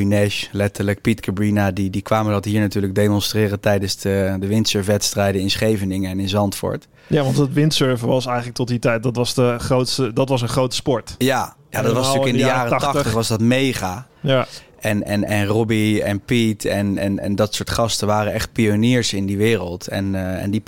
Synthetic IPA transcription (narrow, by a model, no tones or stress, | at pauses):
inɛʃlɛtəɹlək̚pitkʰəbɹinadidikʋaːməndɑtɦiːɹnatyːɹləɡ̚dejmɔnstrɪːrəntɛjdənsdədəʋɪntsøɹfʋɛtstrɛjdəɪnsχejvənɪŋəɛnɪnzɑntfʊ̰ɹt | aɑntətʋɪntsøɹvəʋɑsɛjχələktɔt̚ditɛjt̚dɑtʋɑsdəχrowtstədɑtʋɑsənχrowtə̥spɔɹtjajadɔɑtʋɑstʉkɪndəjːaːrətɑχttəχʋɑsdɑtmejχa | ɛnɛnɛnrɔbiɛnpitʰɛnɛ̰nɛ̰ndɑtsʊːɹtχɑstəʋaːrəɛχt̚pioniːɹsɪndiʋɪːrəlˠtɛ̰nɛ̰ndi